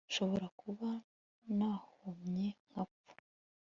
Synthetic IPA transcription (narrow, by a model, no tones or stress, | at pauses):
nʃo̞βo̞ɾakʰuβa | naːhomɲeŋ̥apu̥